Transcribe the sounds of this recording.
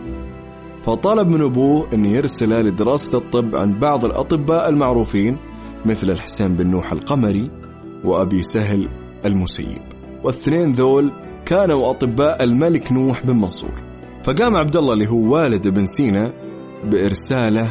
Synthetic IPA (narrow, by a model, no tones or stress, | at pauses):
fɑt̪ˤːɑːlɪb̚mɪnʔʊbuːhʔɪnːijɪɾsalalɪd̪ɪɾɑːsḁt̪ˤːɨbːʕa̰nbɑʕðˤɨlʔɑ̰t̪ˤɨbːaːʔɪlmaʕɾuːfiːn | mɪθlɪlħɪ̥seːmbɪnːuːħa̰lqɑmaɾi | wɪʔabisaɦl | ʔalmʊsa̰jːɪ̰b | wɪθneːnðoːl | kaːnawʔɑt̪ˤɨbːaːʔɪlmalɪknuːħbɪlmɑnsˤṵːɾˤ | faɡaːmʕab̚d̪alˤːɑlːiɦuːwaːlɪd̪ʔɪbɪnsiːna | bɪʔɪɾsaːla